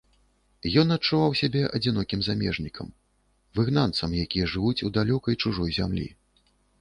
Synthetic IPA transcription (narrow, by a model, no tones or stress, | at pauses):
jɔnɐt̚t͡ʂuvawsʲabʲɛʔɐ̰d͡zʲinɔkʲimzamʲɛ̰ʐnʲikʰɐ̰m | vɨɣnant̪sɐmjakʲijɛʐɨvut͡sʲud̪alʲɔkɐjt͡ʂuʐɔjzʲamlʲḭ